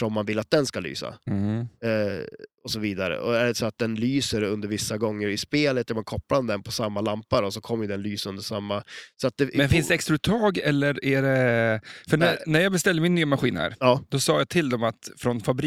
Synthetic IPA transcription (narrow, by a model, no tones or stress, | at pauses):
ʂɔmːanvɪlːat̪̚d̪ɛnskaly̰ːsa̰ | ɔsɔviːd̪aɾə̰ʔɔ̰æɖɛsɔat̪̚d̪ɛnlyːsəɾɵnd̪əɾvɪsːaɡɔŋːəɾɪspeːlət̪æɾmankʰɔpːand̪ɛnpʰɔsamːalampːaɾɔsɔkʰɔmːjɵd̪ɛnlyːsɵnd̪əʂamːasɔat̪̚d̪ɛmɛnfɪnsd̪ɛɛkst̪ɾaʉt̪ʰːɑːɡɛlːəɾæɖɛ | fœɳænæɾjɑːɡbɛst̪ɛld̪əmɪnːyːamaɧiːnhæ̰ɾɑːd̪ɔsɑːjat̪ʰɪld̪ɔmat̪fɾɔnfabɾ